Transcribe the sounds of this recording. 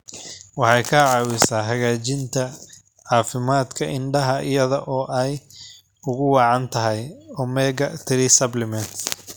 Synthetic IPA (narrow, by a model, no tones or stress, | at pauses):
wɑħɑjkʰɐʕɑːwɪsaːɦɐɣaːt͡ʃɪnt̪ʰɐ | ʕɑːfɪmaːd̪kʰɐʔɪɳɖɐɦɐʔɪjɐðɔʔɔːʔɛj | ʊɣʊwɑʕɑnt̪ʰɐɦɛjɔːmɛːɡɐt̪ʰɪɾɪsɐblɪmɛnt̪